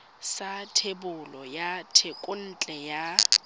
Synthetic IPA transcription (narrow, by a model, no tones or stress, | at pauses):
satʰebʊlɔjatʰekʼʊn̩t͡ɬʼɛja